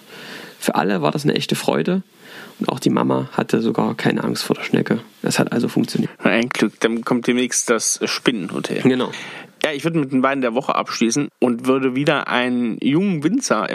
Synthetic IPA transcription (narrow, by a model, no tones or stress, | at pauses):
fyːɐʔa̰ləvaːdasnə̰ʔɛçtəfʁ̥ɔ̰ʏdə | ʔʊnta̰ʊxd̥iːma̰maha̰tʰəzoɡaːɐkʰaɪnəʔa̰ŋstfoːɐdeːɐʃnɛ̰kəʔɛ̰shatʔalzofʊŋkt͡sjoniːɐʔaɪnɡlʏkd̥ankʰɔmt̚d̥eːmnɛːçstd̥asʃpɪnənho̰tʰɛ̰lɡ̥ənaʊjaːɪçv̥ʏɐdəmɪt̚d̥eːnvaɪndeːɐvɔχə̰ʔa̰pʃliːsn̩ʔʊntv̥ʏɐdəviːdɐʔa̰ɪnənjʊŋəvɪnt͡sɐʔɪ̰